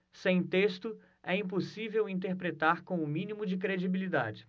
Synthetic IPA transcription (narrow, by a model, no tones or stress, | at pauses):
sẽj̃t̪est̪ʊ | ɛĩp̬osivewĩnt̪̬eɾpɾet̪aɾkõw̃ʊmĩnimʊd͡ʒɪkɾed͡ʒibilid̪a̰d͡ʒɪ